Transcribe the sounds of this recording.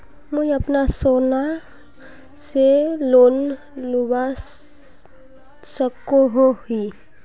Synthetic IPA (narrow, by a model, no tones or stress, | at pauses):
mujəpnasona | selon | luba | səkoɦoɦi